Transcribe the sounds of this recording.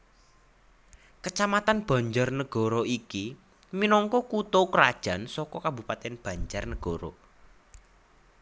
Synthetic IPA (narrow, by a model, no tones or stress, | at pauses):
kət͡ʃamat̪anb̥ä̤ɲd͡ʒarnəɡ̥ɔ̤ɾɔiki | minɔŋkɔkut̪okəɾad̥ʒ̥a̤nsɔkɔkabupat̪ɛnb̥a̤ɲd͡ʒarnəɡ̥ɔɾɔ̰